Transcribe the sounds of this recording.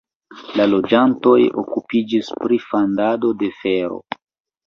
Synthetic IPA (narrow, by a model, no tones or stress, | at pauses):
lalo̞d͡ʒanto̞jo̰kupid͡ʒispɾifandado̞de̞fe̞ɾo̞̰